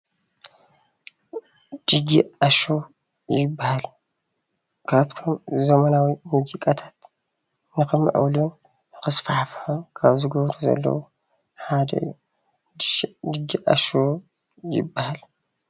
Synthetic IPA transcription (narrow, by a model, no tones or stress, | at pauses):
d̪̥ɨɡiaʃo | jɪbːahal | kʰaβt̪ʰo̞mzɐmɐnawimuzikʼat̪ʰḁt̪ | nɨxɨmɨ̰ʕṵwlu | nɨxɨsfaħfħomkʰaβzɨɡɐβɾuzɐ̰lːɐ̰wu | ħad̪ɐ̰ɨ̰jːu | dʃd̪ɨɡiʔa̰ʃo | jɪ̰bːahal